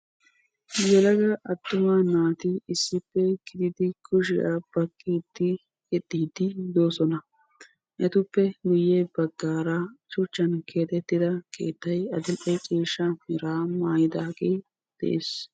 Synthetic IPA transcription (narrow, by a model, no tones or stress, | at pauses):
jɛlɐɡɐʔɐt̪ːʊmanaːt̪ɪɪsːɪpːɛɡ̥ɪd̪ɪd̪ɪkʰʊʃ̬ɪʔɐb̥ɐkʼːeːd̪̥ːɪ | kɛd̪iːd̪ɪd̪o̞ːsɔnɐ | ʔɛt̪ʊpːɛɡʊjeːbɐɡːaːɾɐt͡ʃʊt͡ʃːɐnkʰe̞ːt̪ɛt̪ːɪd̪ɐkʰḛːt̪ːɐjɐd̪ɪlʔɛjt͡ʃʼiːʃɐmɪɾaːmaːjɪd̪aːɡej | d̪̥ɛ̰ʔeːs